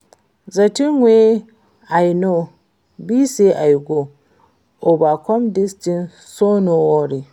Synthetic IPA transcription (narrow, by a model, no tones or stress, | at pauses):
zatiŋwe | ajno | biseʔajɡo | obakɔmdistin | sonowoɾi